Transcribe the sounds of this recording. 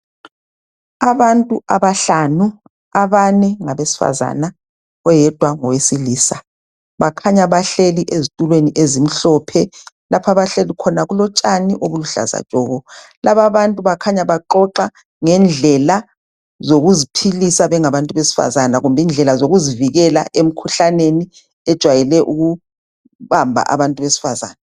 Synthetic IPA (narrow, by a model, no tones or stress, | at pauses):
aβantʼuʔaβaɬanu | aβanɛŋaβesi̥fa̰za̰na | ɔjɛd̥ʱwaŋɔwesiliːsa | βakʰaɲaβaɬeliʔezitʼulweniʔezim̩ɬɔpʰɛ | lapʰaβaɬelikʰɔnaɣulɔt͡ʃʼaniʔoβuluɬa̰za̰̥t͡ʃʼɔːɣɔ | laβaβantʼuβakʰaɲaβaǃɔǃa | ŋɛnd͡ɮʱɛla | zoɣuzipʰilisaβɛŋaβantʼuβesi̥fa̰zanaɣumbʱind͡ɮʱɛlazoɣuziviɣɛlaʔem̩kʰuɬaneni | ɛd̥ʒ̥ʱwajɛlɛʔuɣu | βambʱa̰ʔa̰βantʼuβesi̥faza̰ːna